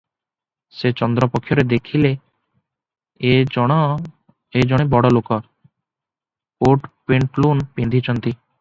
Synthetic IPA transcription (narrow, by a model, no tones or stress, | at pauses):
set͡ʃɔnd̪ɾɔpokʰːjɔɾed̪ekʰile | ed͡ʒɔɽ̃ebɔɽɔlokɔɾ | oʈpeɳʈlunpend̪ʱit͡ʃɔnt̪i